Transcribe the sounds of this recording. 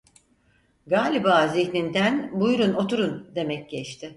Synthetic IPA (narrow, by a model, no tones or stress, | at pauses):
ɡaːlʲibaːziçnind̪ænbujɾuno̞t̪uɾund̪e̞mɛc̚ɟɛt͡ʃt̪ʰɪ